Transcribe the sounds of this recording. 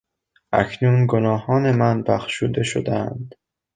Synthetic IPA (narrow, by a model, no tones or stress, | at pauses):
ʔæ̰kʰnuːnɡonɒːhɒːne̞mænbæxʃuːd̪e̞ʃod̪ænd̪̥